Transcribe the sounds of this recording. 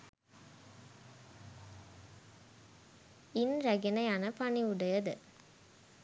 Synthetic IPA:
ɪnɾɐɡɪnɐɪjaːnɐpɐɳiʊɽɐjɐðɯ̰

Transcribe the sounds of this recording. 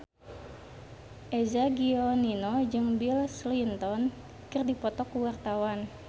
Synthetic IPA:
ʔezaɡiɔninod͡ʒɨŋbilslint̪ɔn | kɨrdipɔt̪ɔkuwart̪awan

